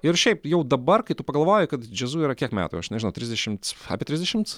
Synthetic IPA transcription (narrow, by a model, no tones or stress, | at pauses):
ɪrʃʲɛɪpjɛʊd̪ɐbɐrkɐɪt̪upɐɡɐlˠʋɑːjʊkɐt̪d͡ʒʲɛzuiɾɐkʲiɛkmʲæ̰ːt̪ʊɐʃnʲɛʒʲɪnɐʊt̪ʲɾʲɪzʲdʲɛʃʲɪmt̪sɐ̰pʲɪt̪ʲɾʲɪzʲd̪ʲɛʃʲɪmt̪s